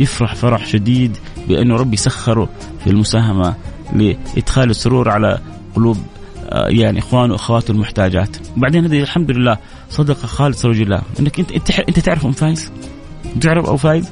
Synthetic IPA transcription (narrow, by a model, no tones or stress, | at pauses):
jɪfɾɑħfɑɾˤɑħʃad̪iːd̪ | bɪʔɪ̰nːuɾˤɑbːjsaxːɪɾˤu | filmʊsaːɦamalɪʔɪ̰d̪xaːlisˤːʊɾuːɾˤɑʕala̰ | qʊluːb̰ | jaʕniʔɪxwaːnuwʔaxawaːt̪ɪlmʊħt̪aːd͡ʒa̰ːt̪wbaʕd̪eːnhad̪ilħamd̪ʊlɪlːaː | sˤɑd̪ɑqɑxɑːlɨsˤɾˤɑd͡ʒɪlːa̰ːʔɪ̰nːakʔɪʔt̪ʔɪnt̪at̪ɪʕɾɪfʔamfaːjɪz̥ | t̪ɪʕɾɪfʔa̰wfaːjɪz